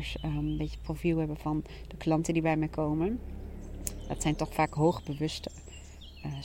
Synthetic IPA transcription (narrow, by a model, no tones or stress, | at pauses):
ɹsəbejtə̥profilˠɦɛbəvɑn | dəklɑntəndibɛjmɛjkowmən | dɑtsɛjntɔχfaːkɦowχbəʋɵstə